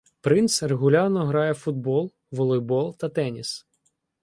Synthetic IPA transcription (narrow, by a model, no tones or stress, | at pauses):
pɾɪnt̪sreɣʊlʲɑrnɔɦɾɑjɛfʊd̪bɔlˠ | ʋɔlˠɔjbɔlˠt̪ɐt̪ɛnʲis